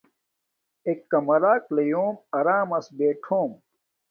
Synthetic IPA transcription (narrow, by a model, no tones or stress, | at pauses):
ekːɐmɐɾaːklejoːmɐɾaːmɐsbeːʈʰoːm